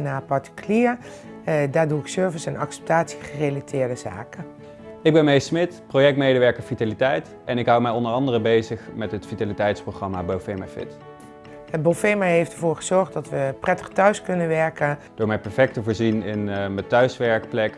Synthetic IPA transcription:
naːpɑɹtə̥kyliːəɹ | daːɹduɪksøɹvəsɛnɑ̰ksɛ̥p̚taːtsi̥χərejlitʰɪːɹdəza̰ːkə | ɪɡ̚bɛnmejsmɪtprowjɛk̚tmejdəʋɛɹkəɹfitalitɛjt | ɛnɪkɦʌwmɛjɔndəɹɑndərəbejzəχmɛtɦətfitalitɛjtsproχrɑmabowfemafɪ̰t | əbolfejmaɦejftəɹvʊːɹχəzɔɹχtdɑtʋəprɛtə̥χtœɥskɵnəʋɛɹkənd̥ʊːɹmɛjpɛɹfɛk̚təvʊːɹzinɪnmətœɥsʋɛɹkplɛk

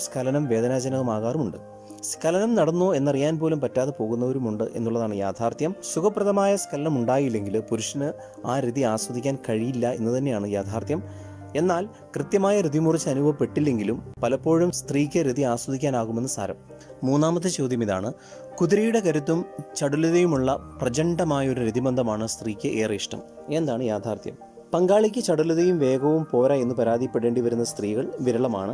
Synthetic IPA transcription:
skʰɐlɐnɐmʋe̞ːðɐnaːd͡ʑɐnɐɣɐmaːɣaːrumuɳɖɨ | skʰɐlɐnɐmnɐɽɐnːo̞ːe̞nːɐrijaːnpo̞ːlumpɐtːaːðepo̞ːɣunːɐo̞ɾumuɳɖɨʔe̞̰nːuɭːɐðaːɳɨjaːt̪ʰaːrt̪jɐmsukʰɐpːrɐðɐmaːjɐskʰɐlɐnɐmuɳɖaːjilːe̞ŋɡilpuɾuʂɐnɨ | aːɾiðiaːswɐðikʲːaːnkɐɻijilːɐe̞̰nːɨt̪ɐnːe̞jaːɳɨjaːt̪ʰaːrt̪jɐm | e̞nːaːl | krɨt̪jɐmaːjɐɾiðimurɨt͡ɕːɨɐnubʱɐpːe̞ʈːilːe̞ŋɡilumpɐlɐpːo̞ːɻumst̪riːkʲːɨɾiðiaːswɐðikʲːaːnaːɣume̞nːɨsa̰ːɾɐ̰mː | uːnːaːmɐt̪ːɨt͡ɕo̞ːd̪jɐmiða̰ːɳɨ | kuðiɾɐjuɽe̞kɐɾut̪ːumt͡ɕɐɽuluðɐjumuɭːɐprɐd͡ʑɐɳɖɐmaːjɐo̞ɾuɾiðibɐnd̪ʱɐmaːɳɨst̪riːkʲːɨʔeːriʂʈɐ̰m | e̞nd̪aːɳɨjaːd̪ʱaːrt̪jɐ̰m | pɐŋɡaːɭikʲːɨt͡ɕɐɽuluðɐjumʋe̞ːɡɐʋumpo̞ːɾɐe̞nːɨpɐɾaːd̪ipːeɽeːɳɖiʋɐɾunːɐst̪riːɣɐɭʋiɾɐɭɐmaːɳɨ

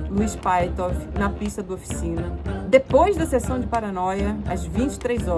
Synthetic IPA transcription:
nʊispajt̪ɔfnɐpiʃt̪ɐd̪ɐofi̥sĩnɐd̪epojzd̪ɐsesɐ̃w̃d͡ʒɪpaɾɐnɔjɐɐzvĩt͡ʃɪ̥t̪ɾejzɔ

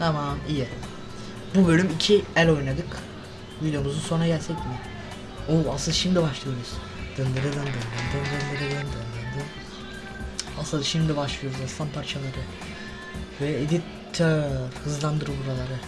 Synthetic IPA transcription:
t̪ʰamamijɛ | bubølʲymicʰiælʲo̞jnad̪ɯk | vid̪jomuzunso̞naɟælʲsɛcmɪ | oasɯld̪aʃimid̪ibaʃlˠɯjo̞ɾuz̥ | d̪̥ɯnd̪ɯɾɯd̪ˠɯnd̪ɯnd̪ɯnd̪ɯmd̪ɯnd̪ɯɾɯlɯnd̪ɯnd̪ɯnd̪ɯ | asɯld̪aʃimd̪ibaʃlˠɯjo̞ɾuzast̪ʰampʰaɾt͡ʃʰalˠaɾɯ | vɛed̪it̪ʰːahɯzlˠand̪ɯɾɯbuɾalˠaɾɯ

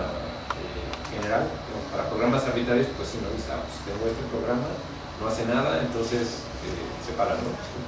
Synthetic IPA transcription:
ḛxe̞ne̞ɾal | opaɾapɾo̞ɣɾamasaɾβit̪ɾaɾjo̞spwesːinoβisa̰most̪eɣoest̪epɾo̞ɣɾama | no̞ase̞naðaent̪o̞nse̞s | ḛ | sepaɾand̪opso

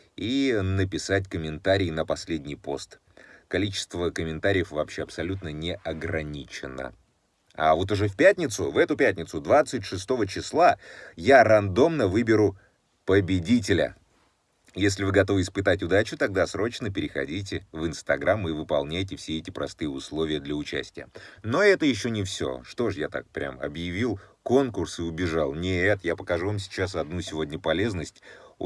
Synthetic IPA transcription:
inəpʲɪsat̚ʲkəmʲɪnt̪aɾʲɪːnəpɐsʲlʲedʲnʲɪjpo̞̰st̪ | kɐlʲit͡ɕɪ̥st̪vəkəmʲɪnt̪aɾʲɪjəfvɐpɕːeɐpsɐlʲut̪nənʲɪɐɡɾɐnʲit͡ɕɪnə̰ | a̰vo̞t̪̬ʊʐɛfʲpʲætʲnʲɪt̪sʊvɛt̪ʊpʲæt̪̚ʲnʲɪt̪sʊd̪vat̪sɨtʲʂɨst̪o̞vət͡ɕɪslˠajarɐnd̪o̞mnəvɨbʲɪɾʊ | pəbʲɪdʲit̬ʲɪlʲə̰ | jesʲlʲɪvɨɡɐt̪o̞vɨɪspɨt̪atʲʊd̪at͡ɕʊt̪ɐɡ̚d̪asɾo̞t͡ɕnəpʲɪɾʲɪxɐ̰dʲitʲɪvɨnst̪ɐɡɾamɨvɨpɐlˠnʲæjtʲɪfsʲeɛtʲɪpɾɐst̪ɨjəʊslˠo̞vʲɪjəd̪lʲəʊt͡ɕæ̰sʲtʲɪjəno̞ɛt̪əjɪɕːonʲɪfsʲo̞̰ʂt̪o̞ʂjat̪a̰k̚pɾʲa̰mɐ̰bjɪvʲilˠko̞nkʊrsɨʊbʲɪʐalˠnʲɪɛt̪japəkɐʐuvamsʲɪ̥t͡ɕasɐd̪nusʲɪvo̞dʲnʲəpɐlʲe̞znəsʲtʲ

